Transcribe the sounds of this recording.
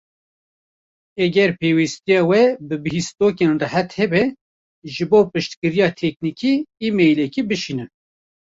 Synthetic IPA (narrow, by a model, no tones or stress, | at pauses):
ɛɡɛɾpʰeːwist̪ijɑːwɛbɨbɨhist̪oːkeːnrɨhæt̪hɛbɛ | ʒɨboːpɨʃt̪kɨɾijɑːt̪ʰɛk̚nikiːmejlɛkibɨʃinɨn